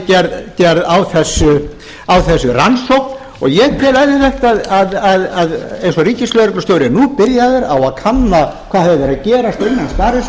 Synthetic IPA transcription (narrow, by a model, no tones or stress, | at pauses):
cɛɾðcɛɾðawθɛsːʏ | awθɛsːʏransowkn | ɔ̰ɣjɛɣt̪ʰɪlajðɪθɛjht̪aðaðaðaðejnsɔriːcɪslœːɾɪklʏst̪jowɾɪnupɪɾjaðʏɾa̰waðkʰanːakʰv̥aːðhɛðvɪɾaðcɛːɾast̪ɾɪnːanst̪aːɾɪs